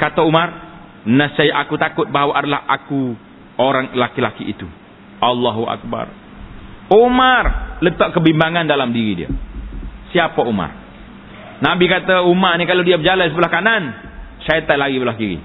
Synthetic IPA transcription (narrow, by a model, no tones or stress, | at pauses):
kat̪aumar | nasajaʔakut̪akʊt̪̚baɦwaʔadalahʔaku | oɾaŋlakilakiʔːt̪u | ʔalːaɦua̰k̚ba̰r | omarlət̪ɔʔkəbimbaŋandalamdiɾidḭa̰ | siapauma̰r | nabikat̪aumarnikalawdiabəd͡ʒalans̬əbəlahkanansajɛt̪alaɡibəlahkiɾḭ